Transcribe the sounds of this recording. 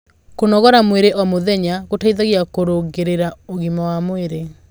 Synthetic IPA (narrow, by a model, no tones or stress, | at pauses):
konɔɣɔɾamweɾeʔɔmoðɛɲaɣotaiðaɣjakoɾoɣeɾeɾaoɣimawamweɾe